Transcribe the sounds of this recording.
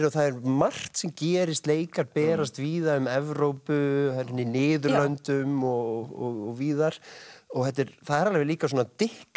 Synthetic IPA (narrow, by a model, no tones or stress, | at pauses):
ɾɔθaðɛɾmar̥t̪sɛmcɛːɾɪst̪leːjkaɾpɛːɾast̪viːðaʏmɛvɾowpʏhaɾnːinɪːðɾlœnt̪ʏmɔɔɣɔɣviːðaɾ̥ɔɣhɛht̪ɪɾθaðɛɾalvɪliːkasɔːnat̪ɪhk